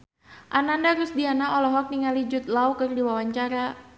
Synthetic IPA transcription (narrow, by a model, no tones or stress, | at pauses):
ʔanandaɾʊsdianaolɛɦɔk̚niŋalid͡ʒʊt̪̚laukərdiwawaɲt͡ʃaɾa